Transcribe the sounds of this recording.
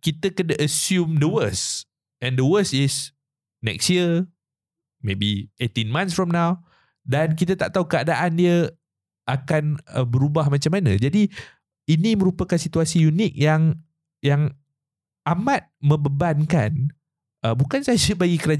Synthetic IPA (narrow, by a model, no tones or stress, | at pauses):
kit̪əkədəʔəsjumdəwəs | ɛ̃ndəwəsɪs | nɛ̰kstjiə | mebiʔet̪inmãnsfɹɔmnaw | dank̬it̪ət̪aʔt̪aukəadaʔandiə | ʔakanəbəɾubahmat͡ʃamːanə̃d͡ʒadi | inĩmə̃ɾupəkansit̪uasijunik̚jaŋ | jaŋ | ʔamat̪̚mə̃mbəbankan | əbukansad͡ʒəbaɡikəɾad͡ʒ